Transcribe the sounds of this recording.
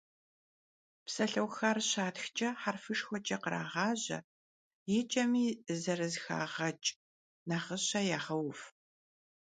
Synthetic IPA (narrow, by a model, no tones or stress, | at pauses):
psɐɬɐwxaːrɕaːtxt͡ʃʼɐħarfɨʂxʷɔt͡ʃʼɐqəɾa̰ːʁɑːʑɐ̰ | jɪt͡ʃʼɐmiːzɐrɨzxa̰ːʁɐt͡ʃʼ | naːχəɕɐjaːʁɐwf